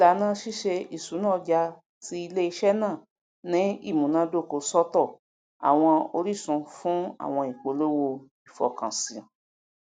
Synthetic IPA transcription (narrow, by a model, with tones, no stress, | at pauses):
la˨˦nã˦ʃi˦ʃe˧i˨su˨˦nãː˦˨˧d͡ʒa˧ | ti˦i˧le˦i˧ʃɛ˦nãː˦˨ | nĩ˨˦ḭ˦˨mũ˨nã˦do˦˨ko˧sɔ˦tɔ˦˨ | a̰˨w̃ɔ̃˧o˧ɾi˦˨sũ˧fũ˦a̰˦˨w̃ɔ̃˧i˨k͡po˨˦lo˦wo˧ | i˨fɔ̰˨kã˨sĩ˨ã˨